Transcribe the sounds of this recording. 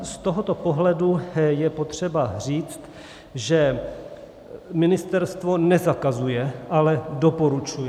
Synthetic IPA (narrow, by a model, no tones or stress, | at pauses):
st̪oɦot̪opoɦlɛdujɛpo̞t̪r̝̥ɛbar̝iːt͡st̪ | ʒɛ | mɪnɪst̪ɛɾst̪vo̞nɛzakazujɛʔalɛdopoɾut͡ʃujɛ